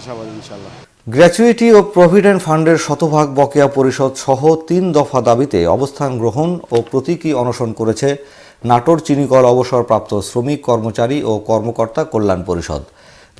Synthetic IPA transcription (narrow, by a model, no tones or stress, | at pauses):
ɡɾɛt͡ɕuiʈiopɾobʱiɖeɳʈfʰaɳɖeɾʃɔt̪obʱaɡ̚bɔkeapoɾiʃɔd̪ʃɔɦot̪ind̪ɔfad̪abit̪ḛɔ̰bost̪ʰanɡɾoɦonopɾot̪ikiɔnoʃonkoɾet͡ɕʰe | naʈoɾt͡ɕinikɔlɔboʃoɾpɾap̚t̪osɾomikːɔɾmot͡ɕaɾiʔokɔɾmokoɾt̪akolːanpoɾiʃɔ̰d̪